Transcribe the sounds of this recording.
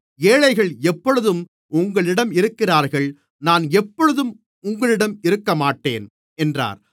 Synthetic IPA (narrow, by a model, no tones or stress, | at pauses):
eːɻɐɪɣɐɭɛpːɔɻɯðɯm | ʊŋɡɐɭɪɽɐmɪɾɯkːɪraːɾɣɐɭ | naːnɛpːɔɻɯðɯm | ʊŋɡɐɭɪɽɐmɪɾɯkːɐmaːʈːeːn | ɛndra̰ːɾ